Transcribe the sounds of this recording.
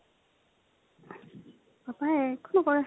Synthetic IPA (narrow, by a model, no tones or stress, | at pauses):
bapaɛkonɔkɔɹa